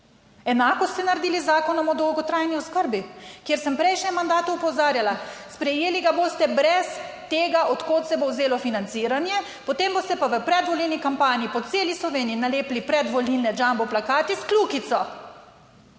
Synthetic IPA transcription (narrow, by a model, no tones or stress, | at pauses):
ɛnaːkɔst̪t̪ɛnaɾed̪iːlizaːkɔnɔmɔd̪ɔwɡɔt̪ɾajniɔskəɾbikjeɾsəmpɾɛjʃnʲɛmːand̪aːt̪uupɔzaːɾjalaspɾɛjeːliɡaboːst̪ɛbɾɛst̪eːɡaʔɔt̪koːt̪sɛbowzeːlɔfinant̪siːɾanjɛ | pot̪eːmbost̪ɛpaʋəpɾɛd̪ʋɔlilnikampaːniipɔt̪seːlislɔʋeːniinaleːplipɾɛd̪ʋɔlilnɛd͡ʒambɔplakaːt̪iskluːkit̪sɔ